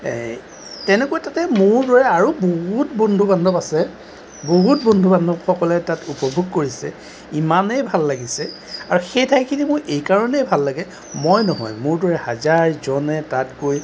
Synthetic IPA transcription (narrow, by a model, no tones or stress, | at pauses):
tɛnɛkuajtatɛmʊɹdwɔɹɛaɹuboɦutbɔndʱubandʱɔpasɛ | boɦut̚bɔndʱubandʱɔpxɔkɔlɛtatupɔbʱuɡ̚koɹisɛ̰ | imanɛjbʱalːaɡisɛ | aɹuxejtʰajkʰinimʊɹʔejkaɹɔnɛjbʱalːaɡɛ | mojnɔɦɔ̰jmʊɹdwɔɹɛhazaɹzɔnɛtatkoj